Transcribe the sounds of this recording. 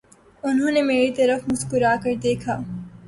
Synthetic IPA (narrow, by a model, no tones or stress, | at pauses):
ʊnɦõːnemeːɾit̪ɐɾəfmʊskʊɾaːkɐɾd̪eːkʰaː